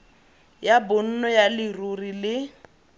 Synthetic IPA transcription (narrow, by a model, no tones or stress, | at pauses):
jabʊn̩nɔjalɪrurilɪ